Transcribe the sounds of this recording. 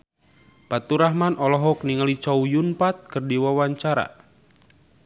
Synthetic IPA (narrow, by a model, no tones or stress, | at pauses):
pat̪uɾaɦmanʔɔlɔɦɔk̚niŋalit͡ʃaujunpat̪̚kərdiwawaɲt͡ʃaɾa̰